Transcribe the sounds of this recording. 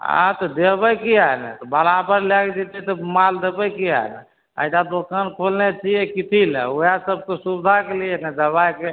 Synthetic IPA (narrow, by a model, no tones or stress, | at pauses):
ã̰t̪ɔd̪ebəkiaɦnɛ̰t̪ɔbalapəɾlɛked͡ʒet̪it̪ɔmald̪ebəjkia̰ɦnɛ̰ | ə̰jt̪ad̪okənkʰolnet͡ʃʰijɛkit̪ʰilɛ̰ojasəb̚kesubd̪ʱakelijɛnɛd̪əβajke